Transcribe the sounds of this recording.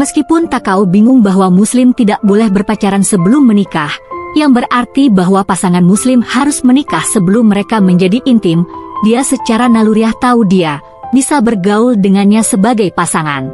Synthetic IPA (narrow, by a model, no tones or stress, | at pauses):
məskipʊnt̪akaubiŋʊŋbaɦwamuslɪmt̪idaʔ̚bolɛhbərpat͡ʃaɾansəbəlʊmːənikahjaŋbərʔart̪ibaɦwapasaŋanmuslɪmhaɾʊsmənikahsəbəlʊmːəɾekaməɲd͡ʒadiʔːnt̪ɪmdiasət͡ʃaɾanaluɾiaht̪audia | misabərɡauldəŋanɲasəbaɡajpasaŋa̰n